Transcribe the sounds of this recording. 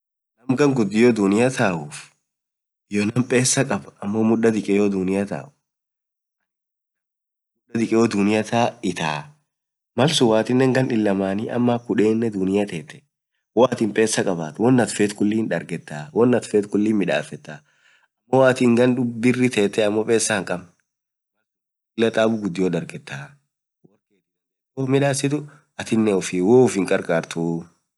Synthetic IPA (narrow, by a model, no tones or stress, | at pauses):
nɐmɡɐŋɡʊd̪ːɪjɔːd̪ʊnɪjɐt̪ʰaːʔʊf | jonɐmpʼe̞ːsːɐkʼɐbɐmːoːmʊᶑːɐd̪ɪkʼɛjod̪ʊnɪjɐt̪a̰ːʔʊ̥ | mʊᶑɐd̪ɪkʼɛjɔd̪ʊnɪjɐt̪aːɪt̪aː | mɐlsʊwaːt̪ɪnːɛŋɡɐnɪlːɐmaːniɐ̰mːakʊᶑe̞ːnːɛd̪ʊnɪjɐt̪eːt̪ɛ̥ | woɐt̪ɪmpʼe̞ːsːɐkʼɐbaːt̪wɔnːɐt̪feːt̪kʊlːiːnᶑɐɾɡɛt̪ːaːwɔnːɐt̪feːt̪kʊlːiːnmɪᶑa̰ːfɛt̪ːaː | ɐmːo̞ːɐt̪ɪŋɡɐnʊbɪrːɪt̪eːt̪ːɛɐmːoːpʼe̞ːsːɐŋkʼɐb | mɐlsʊ | ɪlːɐt̪ʼaːbʊɡʊd̪ːɪjoːd̪ɐɾɡɛt̪ːaː | wɐɾkeːt̪ | oːmɪᶑaːsːɪt̪̬ʊ | ɐt̪ɪnːɛʊfɪwoːʊfɪŋkʼɐɾkʼaːɾt̪uː